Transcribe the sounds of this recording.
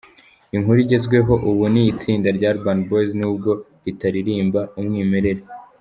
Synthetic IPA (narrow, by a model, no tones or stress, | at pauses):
iŋhuɾiɟe̞zɡwe̞ɦo̞ʔuβunijit͡siːndaɾɟaɾbandboznuːb̚ɡo̞ɾitaɾiɾiːmbaumŋiːme̞ɾe̞ɾe